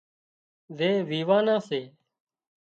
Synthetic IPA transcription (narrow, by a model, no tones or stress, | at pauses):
ʋeːʋiːʋaːnãːseː